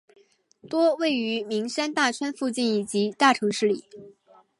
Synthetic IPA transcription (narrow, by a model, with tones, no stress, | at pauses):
t̪wɔ˥we˥˩ɪy˧˥mi˧˥ŋʂa˥nt̪a˥˩t͡ɕʰɥɛ˥nfu˥˧t͡ɕi˥˩ni˨˩t͡ɕi˧˥t̪a˥˩ʈ͡ʂʰɤ˧˥ŋʂɻ̩˥˩lḭ˨˩˦